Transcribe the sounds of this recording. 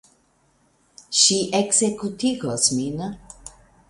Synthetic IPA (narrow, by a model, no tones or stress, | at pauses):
ʃiʔeksekutiɡosmin